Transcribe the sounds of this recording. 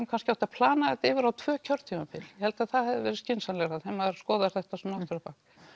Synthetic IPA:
mkʰanscɪawt̪apʰlaːnaɛt̪ɪːvɪɾawt̪ʰv̥œːcʰœɾ̥t̪ʰiːmafʰɪljɛhɛlt̪aðθaðhɛvðɪvɛːɾɪscɪnsanlɛɾaðθɛmaɾskɔːðaɾ̥θɛht̪asɔnaht̪ʏɾapaːk

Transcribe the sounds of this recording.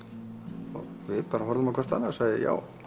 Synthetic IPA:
ɔ̰ɣvɪðpaːɾaɦɔɾðʏmawkʰvɛ̥ɾ̥t̪θa̰nːasaːɣðɪ̰ja̰ːw

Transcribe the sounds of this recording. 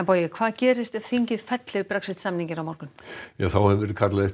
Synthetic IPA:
ɛnpoːjɪkʰv̥aːðcɛːɾɪst̪ɛv̥θiɲcɪð̥fɛt̪lɪðpɾaksɪt̪samniɲcɪɾawmɔɾkʏn̥jaθawhɛvɛːɾɪkʰat̪laðɪs

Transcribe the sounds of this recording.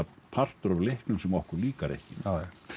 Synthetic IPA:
apʰar̥t̪ʏɾavlɪhknʏmsɛmɔhkʏɾliːkaɾḛjhcɪa

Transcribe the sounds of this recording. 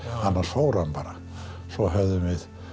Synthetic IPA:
anːḁsfoːwɾanpaːɾa | sɔɦœvðʏmvɪð

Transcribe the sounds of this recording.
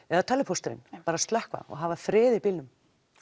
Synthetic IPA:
ɛðat̪ʰaːlɪpʰɔst̪ɪɾɪ̰npaːɾast̪lɛhkva̰ɔ̰ɣɦavaθɾɪːðɪpilnʏm

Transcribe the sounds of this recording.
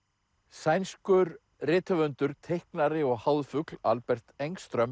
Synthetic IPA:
sajnskʏɾ | rɪːt̪avʏnt̪ʏɾ̥t̪ʰejhknaɾɪɔɣhawðfʏkla̰lpɛr̥t̪ejŋst̪ɾœm

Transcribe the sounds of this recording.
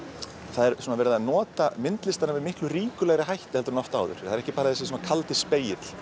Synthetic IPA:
θaðɛɾsunavɛːɾɪðanɔːt̪amɪnt̪lɪst̪aɾnavɪðmɪhklʏriːkʏlɛɣɾɪɦajht̪ɪ̥hɛlt̪ʏɾnɔft̪aːwðʏ̰ɾ̥aðɛɾɛhcɪpaːɾaθɛsɪsɔːmakʰalt̪ɪ̥speːjɪt̪l̥

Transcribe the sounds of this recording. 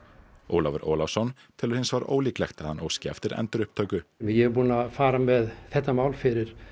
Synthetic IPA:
o̰ːwlavɛɾʔo̰ːlafsɔn | t̪ʰɪlaɾ̥hɪnsvaɾo̰ːwliːklɛxt̪aðhanoːwscɪɛ̰ft̪ɪɾɛ̰nt̪ʏɾʏhp̚t̪ʰœːɥkʏmɛjɛɛɾpuːnafaːɾamɛðθɛht̪ːamawlfɪɾɪɾ̥

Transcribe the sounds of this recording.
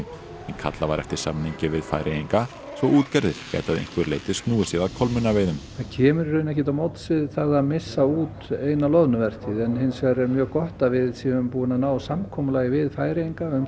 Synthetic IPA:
ɛnkʰa̰t̪lavaɾʔɛ̰ft̪ɪɾ̥sa̰mniɲcɪvɪðfa̰jɾɪiŋka | svɔʔuːt̪cɛɾðɪɾ̥cɛ̰jt̪aðḛjŋ̥kvɪɾlḛːjt̪ɪst̪nuːɪsɛðaðkʰɔlmʏnːaveːjðʏmθaðcʰɛːmʏɾːʏːnɛhcɪt̪awmowt̪sɪðθaðaðmɪsːauːt̪eːjnalɔðnʏvɛr̥t̪ɪðɛnhɪnːsaɾɛɾmjœːɣkɔht̪avɪðsjɛʏmpuːɪnanaːwsamkʰɔmʏlajɪvɪðfaːjɾɪiŋkaʏm

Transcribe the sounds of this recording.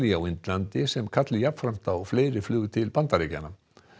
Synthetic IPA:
liawɪnt̪lant̪ɪsɛmkʰat̪lɪjapfɾam̥t̪awfleːjɾɪflʏːɣʏt̪ʰɪlpant̪aɾejca̰na

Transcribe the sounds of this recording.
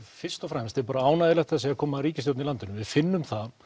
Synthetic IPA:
fɪr̥st̪ɔfɾɛmst̪ɛɾpaːɾaaːwnajðɪlɛxt̪θɛs̬aakʰɔːmaɾiːcɪst̪jowt̪nɪilant̪ɪnʏmvɪðfɪnːʏmθa

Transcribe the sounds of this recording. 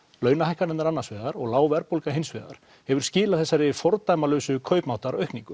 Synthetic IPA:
lœːɥnahajhkaɾɛnaɾanːḁsvɛːðaɾɔɣlaːwvɛɾpowlkaɦɪnsvɛːða̰ɾ̥ | hɛvʏɾ̥scɪːlaθɛsːaɾɪfɔɾt̪ajmalœːɥsʏkʰœɥpmawt̪aɾaœɥhkniŋkʏ

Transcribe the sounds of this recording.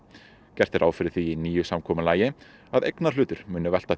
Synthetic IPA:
cɛr̥t̪ɛɾʔawfɪɾɪθiiniːjʏsamkʰɔːmʏlaːjɪ | aðejknaɾ̥lʏːt̪ʏɾmʏːnʏvɛl̥t̪a

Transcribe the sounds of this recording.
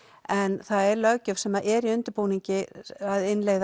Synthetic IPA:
ɛnθaðɛɾlœcʏv̥sɛmaʔɛɾiʏnt̪ʏɾpoːwniɲcɪaðɪnleːɣð

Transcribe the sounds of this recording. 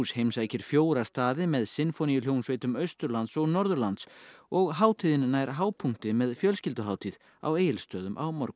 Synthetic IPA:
ushejmsaːjcɪɾ̥fjoːwɾḁst̪aːðɪmɛðsɪnfɔnijʏl̥jownsvejt̪ʏmœɥst̪ʏɾlant̪sɔɣnɔɾðʏɾlant̪sɔɣɦaːwt̪ʰiːðɪnnːajɾɦaːwpʰuŋ̥t̪ɪmɛðfjœlscɪlt̪ʏɦaːwt̪ʰið | a̰weːjɪlst̪œːðʏmʔa̰wmɔɾkʏ̥

